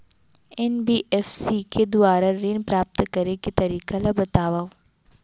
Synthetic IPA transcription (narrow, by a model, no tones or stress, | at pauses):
ɛnbiːʔɛfsikʰed̪ʊaːɾaɾiːnpɾaːp̚t̪kɐɾeket̪ɐɾiːkalabɐt̪aːʋao